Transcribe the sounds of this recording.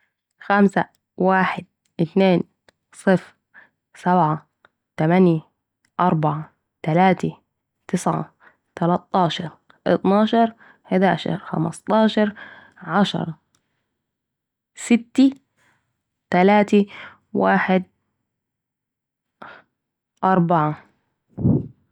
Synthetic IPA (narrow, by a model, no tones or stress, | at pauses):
xamsa | waːħɪd̪̚ | ʔɪt̪neːn | sˤɨf | sabʕa | t̪amanja | ʔɑɾˤbɑʕa | t̪alaːt̪i | t̪ɪsʕa̰ | t̪alɑt̪ˤːɑːʃɑɾˤ | ʔɪ̰t̪nɑːʃɑɾˤ | ħɪd̪a̰ːʃɑ̰ɾˤxa̰mɑ̰st̪ˤɑːʃɑɾˤ | ʕaʃɑ̰ɾˤɑ | sɪt̪ːi | t̪alaːt̪i | wa̰ːħɪd̪̚ | ʔɑɾˤbaʕa